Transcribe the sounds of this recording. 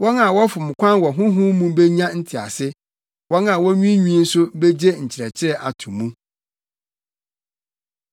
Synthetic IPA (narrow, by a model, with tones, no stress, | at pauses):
wɔ̃˦na˨wɔ˦fʊ˨mʊ̃˨kʷʰã˦nwɔ˨ɦʊ̃˦ɦʊ̃˦mũ˦be˦ɲã˦n̩˦tʰɪ˨a̰˨sɪ˦ | wɔ̃˦nã˨wɔ̃˦ɲᶣĩ˦ɲᶣĩ˦n̩˦sʊ˦be˦d͡ʑe˦ɲ̩˨t͡ɕʰɪ˨ɾɛ˨t͡ɕʰɪ˦ɾɛ˦ʔa˨tʰũ˨mũ˦